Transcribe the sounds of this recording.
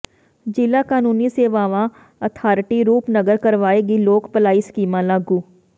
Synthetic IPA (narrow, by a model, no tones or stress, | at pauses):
d͡ʒɪlakaːnuːniseʋaːʋã | ɐt̪ʰaːɾʈiɾuːpnɐɡəɾkɐɾʋaːeɡiloːkpəlaːiskiːmãlaːɡuː